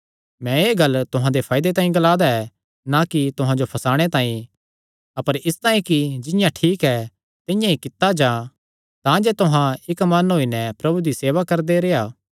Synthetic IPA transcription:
mɛ̃eːɡɐlːt̪ʊɦãd̪epʰaːjd̪et̪ãːĩɡɐlaːd̪aɛ | nakit̪ʊɦãd͡ʒopʰɐsaːɽ̃et̪ãːĩ | ɐpəɾɪst̪aːĩkid͡ʒɪ̃jãʈʰiːkɛ | t̪ɪ̃jãikɪt̪ːad͡ʒãː | t̪ãd͡ʒet̪ʊɦãɪkmɐnɦoːinɛpɾɐbud̪iseːʋakɐɾd̪eɾeaː

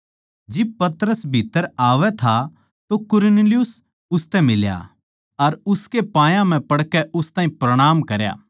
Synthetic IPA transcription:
d͡ʒɪb̚pɐt̪əɾəsbʱiːt̪ːəɾaːʋɛt̪ʰa | t̪okʊɾnelɪjʊs | ʊst̪ɛmɪlja̰ | ɐɾʊskepãːjãm̤ɛ̃pɐɽkɛʔʊst̪aːĩpɾɐɽ̃aːmkɐɾja̰ː

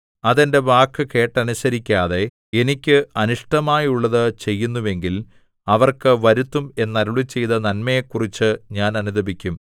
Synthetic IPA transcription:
ɐðende̞ʋaːkːɨke̞ːʈːɐnusɐɾikʲːaːðe̞ | e̞nikʲːɨɐnuʂʈɐmaːjuɭːɐðɨt͡ɕe̞jːunːuʋe̞ŋɡil | ɐʋɐrkɨʋɐɾut̪ːume̞nːɐɾuɭit͡ɕːe̞jt̪ɐnɐnmɐjekːurit͡ɕːɨɲaːnɐnuðɐbikʲːum

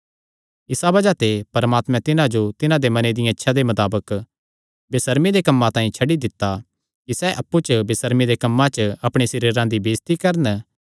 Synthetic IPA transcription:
ɪsabɐd͡ʒat̪epɐɾmaːt̪mɛ̃t̪ɪnãd͡ʒot̪ɪnãd̪emɐned̪ɪjãɪtːʃʰad̪emɐt̪aːbək | bɪsəɾmid̪ekɐmːãt̪ãːĩt͡ʃʰɐɽid̪ɪt̪ːa | kisɛʔɐpːut͡ʃəbɪsəɾmid̪ekɐmːãt͡ʃəɐpɽ̃esɪɾiɾãd̪ibeːst̪ikɐɾən

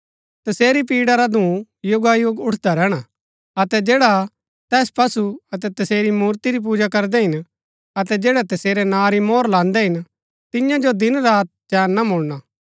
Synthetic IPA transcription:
t̪ɐseːɾip̬iːɽaɾad̪ʱũː | jʊɡajoɡʊʈʰd̪aɾɛːɽ̃a | ɐt̪ɛd͡ʒeːɽa | t̪ɛːspɐsuɐt̪̬ɛt̪ɐseːɾimuːɾt̪iɾip̬uːd͡ʒakɐɾd̪ɛɦɪn | ɐt̪ɛd͡ʒeːɽɛt̪ɐseːɾɛnãːɾimoːɾlãːnd̪ɛɦɪn | t̪ɪjãd͡ʒod̪ɪnɾaːt̪̚d͡ʒɛːnːamʊɭña

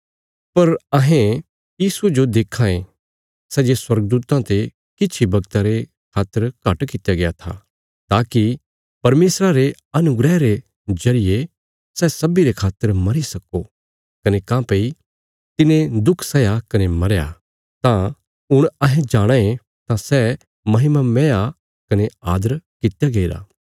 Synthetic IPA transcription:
pɐɾɐɦẽ | jiːsued͡ʒod̪eːkʰãẽ | sɛːd͡ʒeswɐɾɡ̚d̪uːt̪ãt̪e | kɪtːt͡ʃʰibɐɡt̪aɾe | kʰaːt̪ːəɾkɐʈkɪt̪jaɡejat̪ʰa̰ː | t̪aːki | pɐɾmeːsɾaɾe | ɐnʊɡɾɛːɾe | d͡ʒɐɾɪje | sɛːsɐbiɾekʰaːt̪ːəɾmɐɾisɐko | kɐnekãːpei | t̪ɪnẽd̪ʊkʰsɐjakɐnemɐɾja̰ | t̪ã | ʊɽ̃ɐɦẽd͡ʒaːɽ̃aẽ | t̪ãsɛ | mɐɦɪmamɛ̃ːja | kɐneaːd̪əɾkɪt̪jaɡɐiɾa̰ː

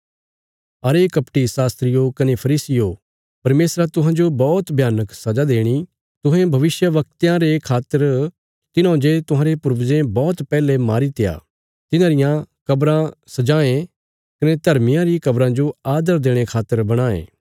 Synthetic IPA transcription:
ɐɾekɐpʈisaːst̪ɾɪjokɐnepʰɐɾiːsɪjo | pɐɾmeːsɾat̪ʊɦãːd͡ʒobɔːt̪bʱjaːnəksɐd͡ʒad̪eːɽ̃i | t̪ʊɦẽbʱɐʋɪsjəʋɐk̚t̪jãɾekʰaːt̪ːəɾ | t̪ɪnãːd͡ʒet̪ʊɦãːɾepʊɾʋzẽbɔːt̪pɛːlemaːɾit̪ɪja̰ː | t̪ɪnãːɾɪjãkɐbɾãsɐd͡ʒaːẽ | kɐned̪ʱɐɾmɪjãɾikɐbɾãd͡ʒoaːd̪əɾd̪eːɽ̃ekʰaːt̪ːəɾbɐɽ̃aːḛ̃ː

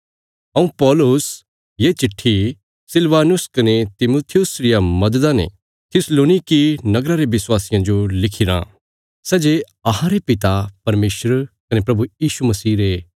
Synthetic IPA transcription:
ɐũpɔːlʊs | jet͡ʃɪʈʰːi | sɪlʋaːnʊskɐnet̪ɪmoːt̪ʰɪjʊsɾɪjamɐd̪əd̪anḛ | t̪ʰɪsloːnikinɐɡɾaɾeʋɪswaːsɪjãd͡ʒolɪkʰɪɾã̰ | sɛːd͡ʒe | ɐɦãɾepɪt̪apɐɾmeːʃɾkɐnepɾɐbujiːʃumɐsiːɾe

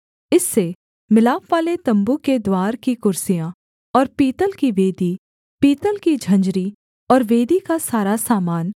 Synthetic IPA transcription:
ɪsːe | mɪlaːfʋaːlet̪ɐ̃mbuked̪waːɾkikʊɾsijã | ɔːɾpiːt̪əlkiʋeːd̪i | piːt̪əlkid͡ʒʱɐ̃ɲd͡ʒɾi | ɔːɾʋeːd̪ikasaːɾasaːmaːn

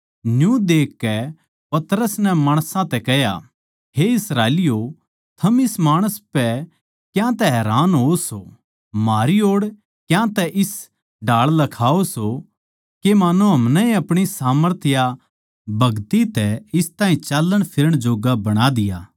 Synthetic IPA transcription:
njũd̪eːkːɛ | pɐt̪ɾəsnɛmaːɽ̃sãt̪ɛkɛɦja̰ | ɦeɪsɾaːelɪjo | t̪ʰɐmɪsmaːɽ̃əspɛ | kjãt̪ɛɦɛːɾaːnɦoso | maːɾioːɽ | kjãt̪ɛʔɪs | ɖaːɭlɐkʰaːoso | kemaːnuɦɐmnɛĩɐpɽ̃isaːməɾt̪ʰɪja | bʱɐɡt̪it̪ɛɪst̪ãːĩt͡ʃaːlːəɽ̃pʰɪɾəɽ̃d͡ʒoːɡabɐɽ̃ad̪ɪjaː

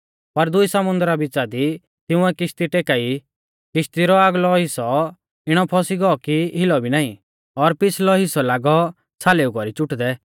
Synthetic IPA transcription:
pɐɾd̪ʊisɐmʊ̃nd̪ɾabɪt͡ʃad̪i | t̪ɪ̃ʊ̃ɛkɪʃt̪iʈeːkai | kɪʃt̪iɾɔaːɡlɔɦɪsɔ | ɪɽ̃ɔpʰɔsiɡɔɔkiɦɪlɔbʱinaːĩ | ɔɾpɪslɔɦɪsɔlaːɡɔ | t͡sʰaleːukɔɾit͡ʃʊʈd̪ɛ

